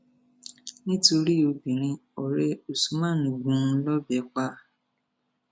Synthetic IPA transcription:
nĩ˦to˧ɾi˦o˧bĩ˨ɾ̃ĩ˧ɔ˨ɾɛ˧o˨su˨˦mã˦˨nũ˨ɡũ˨˦˧lɔ˦bɛ˨˦k͡pa˧

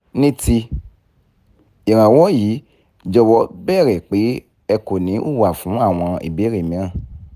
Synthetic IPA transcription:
nĩ˦ti˧ | i˨ɾ̃ã˨wɔ˦jiː˨˦ | d͡ʒɔ˧wɔ˨˦bɛ˦˨ɾɛ˨k͡pe˨˦ | ɛ˧ko˨nĩ˨˦ʔu˦˨wa˨fũ˨˦a˦˨w̃ɔ̃˧ḭ˨be˨˦ɾe˦˨mĩ˨˦ã˦˨

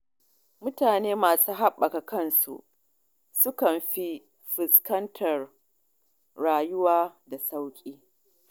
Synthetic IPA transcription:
mʊ˦taː˨neː˦maː˨suː˦ɦa˦ɓːɐ˨ka˨kɐ˦˨nsṵ˨ʔ | sʊ˦kɐ˨mɸi˦ | ɸɪ˨skɐ˦ntʰɐ˨r | ɽaː˨jʊ˦waː˦da˨sa˦wkʲʼiː˦

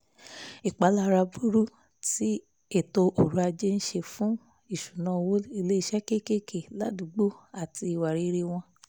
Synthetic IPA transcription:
i˨k͡pa˨˦la˦ɾa˧bu˦ɾu˦ | ti˦ | e˦˨to˧ʔo˨ɾu˨˦a˧d͡ʒe˦n̩˦ʃe˧fũ˦ | i˦˨ʃu˨nã˧˦˧wo˦i˦˧le˦i˧ʃɛ˦ke˦ke˦kʰe˨la˨˦du˨ɡ͡bo˦a˨ti˧i˨wa˨ɾi˨˧ɾe˧w̃ɔ̃˧

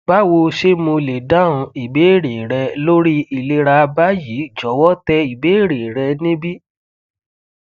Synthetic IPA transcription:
ba˦wo˧ʃe˦mũ˧le˨dã˦˨ũ˧i˨be˨˦˨ɾe˨ɾɛ˧lo˦ɾi˦i˨le˧ɾa˧ba˦ji˨˦˨d͡ʒɔ˨˦wɔ˦tɛ˧i˨be˨˦˨ɾe˨ɾɛ˧nĩ˦bi˦

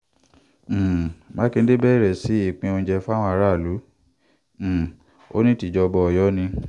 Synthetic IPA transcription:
mã˦ki˧n̩˦de˦bɛ˦˨ɾɛ˨si˨˦i˦˨k͡pĩ˧õ˧d͡ʒɛ˧fa˦wɔ̃˧a˧ɾa˦˨lu˨˦˨ | o̰˦nĩ˦ti˨d͡ʒɔ˧bɔ˧ɔ˨jɔ˨˦nĩ˧

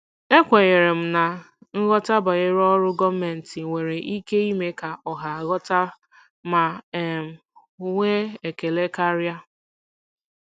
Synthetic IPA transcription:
e˦kʷe˨ɣe˨ɾe˨m̩˨na˨ | ŋ̩˦ɣɔ˦ta˦ba˨ɣe˦ɾɔ˦ɾʊ˦ɡɔ˦me˨n̩˨tɪ˨ŋʷe˨ɾe˨ʔi˦ke˦i˦me˦ka˨ɔ˨ɦa˨ɣɔ˦ta˦ | ma˨˦˨m̩˨˦ | ŋʷe˦e˨ke˨le˦ka˦ɾja˦

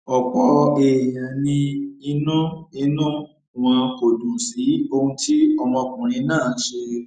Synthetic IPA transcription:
ɔ˨k͡pɔ˨˧e˨jã˨nĩ˧i˧˦nũ˦i˧nũ˦ | w̃ɔ̃˧ko˨dũ˨si˨˦o˧hũ˧ti˦ɔ˧mɔ̃˧kũ˨ɾ̃ĩ˧˦nãː˦˨n̩˦ʃe˧

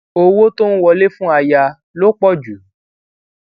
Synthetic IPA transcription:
o˧wo˦to˦n̩˦wɔ˧le˦fũ˦a˧ja˧ | lo˦k͡pɔ˦˨d͡ʒu˨˦

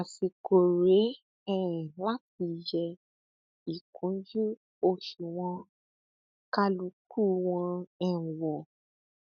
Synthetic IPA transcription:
a˨si˨ko˨ɾe˨˦ | ɛ˦˨la˦ti˧˨jɛ˧ | i˨kʰũ˨˦d͡ʒu˦ | o˧˨ʃu˨w̃ɔ̃˧ | ka˦lu˨˧˦k̚u˦˨w̃ɔ̃˧ɛ̃˦˨wɔ˨

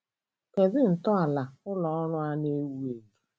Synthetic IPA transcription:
ke˨zɪ˦n̩˨tɔ˦a˨la˨ʊ˦lɔ˨ɔ˦ɾʊ˦a˦ne˦wu˦e˨ɡe˨

